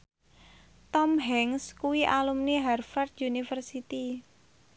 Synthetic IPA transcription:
t̪ɔmɦɛŋskuwiʔalumniɦɛrfɛrt̪junifərsit̪i

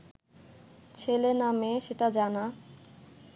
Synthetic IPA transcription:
t͡ɕʰelenameʃeʈad͡ʑana

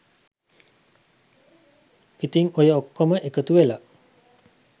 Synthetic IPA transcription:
it̪iŋojəokːoməʔekət̪uʋela

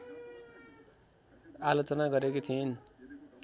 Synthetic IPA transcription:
alot͡sʌnaɡʌɾekot͡s̪ʰin

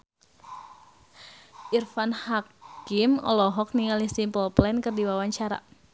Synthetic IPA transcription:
ʔirfanhakimɔ̰lɔɦɔk̚niŋalihsimpəlplɛnkɨrdiwawaɲt͡ʃaɾa̰

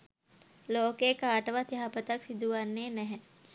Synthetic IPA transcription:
loːkeːkaːʈəʋət̪jɐɦapət̪aksid̪uʋanːeːnɛɦɛ

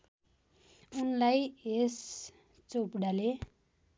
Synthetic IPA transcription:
unlajes | t͡sopɽale

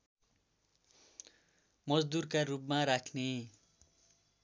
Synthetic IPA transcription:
mʌd͡zd̪urkarupmaɾakʰne

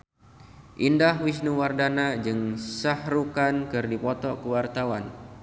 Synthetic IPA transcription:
ʔindahwis̬nuwardanad͡ʒɨŋsahrukankɨrdipɔt̪ɔkəwart̪awan

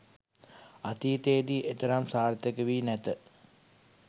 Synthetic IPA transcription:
at̪it̪ejːd̪iːʔet̪əɾamsaːɾt̪ekəʋiːnæt̪ə

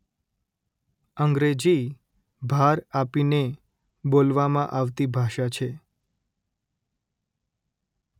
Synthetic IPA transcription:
əŋɡɾed͡ʒi | bʱaɾapine | bolʋamã̰ʔaʋt̪ibʱaʃat͡ʃʰe

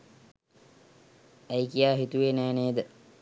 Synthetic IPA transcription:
æjkijaːɦit̪uʋenæːneːd̪ə

